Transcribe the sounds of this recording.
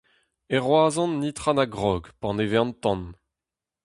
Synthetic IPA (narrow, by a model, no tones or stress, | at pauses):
ɛʁwaːzɔ̃nːit̪χanaɡʁɔːɡpɑ̃nevɛ̃nt̪ɑ̃n